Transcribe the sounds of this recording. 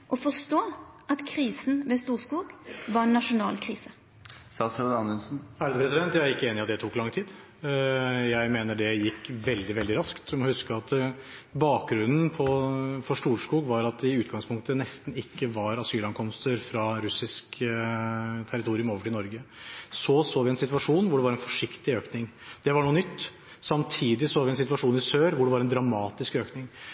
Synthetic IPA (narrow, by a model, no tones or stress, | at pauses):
ʔɔfɔʂt̪oːʔɑt̪kʰɾiːsn̩ʋɛst̪uːskuːɡʋɑɾɛnːɑʂʊnɑ̰ːlkʰʁiːsə | sɑsəd̪ɑnənsn̩æɾəd̪əpɾɛsɪd̪ɛnt̪jæɪæɾɪkːəeːnɪɑt̪d̪ɛt̪ʰuːkːlɑŋːt̪ʰiːd̪ | jæɪmeːnəɖɛjɪkːʋɛld̪ɪʋɛld̪ɪɾɑskt̪sɔmɔhʉskəɑt̪ | bɑːk̚ɡɾʉnːn̩pʰɔfɔʂʈuːʂkuːɡʋɑɾɑt̪̚d̪ɛɪʉːt̪ɡɑŋspʰʊŋk̚t̪ənɛst̪n̩ɪkːəʋɑɾɑsyːlɑnkʰɔmst̪əɾfɾɑɾʉsɪsk | t̪ʰæɾɪt̪ʰuːɾɪʉmoːʋəʈʰɪlnɔɾɡəsɔsoːʋɪɛnsɪt̪ʋɑʂuːnʋʊɖɛʋɑɾɛnfɔ̥ʂɪkt̪ɪøːknɪŋd̪̥ɛʋɑɳuːənʏt̪ː | sɑmt̪ʰiːd̪ɪsoːʋɪɛnsɪt̪ʋɑʂuːnɪsøːɾʋʊɖɛʋɑɾɛnd̪ɾɑmɑːt̪ɪskøːknɪŋ